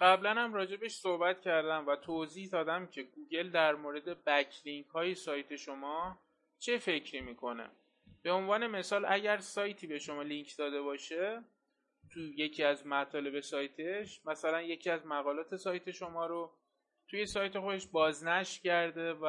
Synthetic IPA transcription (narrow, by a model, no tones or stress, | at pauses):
ɢæblænhæmɾɒːd͡ʒe̞be̞ʃsohbæt̪cʰæɾd̪æmvæt̪ʰozihd̪ɒːd̪æmcʰe̞ɡuːɟe̞ld̪æɾmoːɾe̞d̪e̞bæcʰliŋkʰhɒːjesɒːjt̪ʰe̞ʃo̞mɒː | t͡ʃʰe̞fe̞cʰɾiːmiːkʰo̞ne̞̰ | b̥e̞o̞nvɒːne̞me̞sɒːlæɟæɾsɒːjt̪ʰiːbe̞ʃo̞mɒːliŋcʰd̪ɒːd̪e̞βɒːʃe̞ | t̪ʰuje̞cʰiæzmæt̪ʰɒːle̞be̞sɒːjt̪ʰe̞ʃmæsælænje̞cʰiæzmæɣɒːlɒːt̪ʰe̞sɒːjt̪ʰe̞ʃo̞mɒːɾo | t̪ʰuje̞sɒːjt̪ʰe̞xod̪e̞ʃbɒːznæʃcæɾd̪e̞v